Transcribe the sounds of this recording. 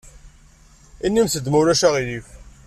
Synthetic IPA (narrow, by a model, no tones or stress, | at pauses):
inːimθəd̪muɾæʃaʁilif